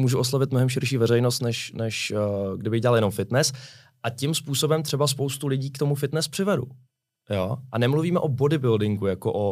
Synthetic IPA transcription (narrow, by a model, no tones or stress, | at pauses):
muːʒuoslavɪt̪mo̞ɦɛmʃɪɾʃiːvɛɾɛjnost̪nɛʃnɛʃɡdɪbɪɣɟɛaljɛno̞mfɪt̪nɛs | ʔacɪmspuːso̞bɛmt̪r̥ɛbaspowst̪ulɪɟiːkt̪omufɪt̪nɛspr̥ɪvɛdṵ | joːʔanɛmluviːmɛʔo̞bodɪbɪldɪŋɡujakoʔo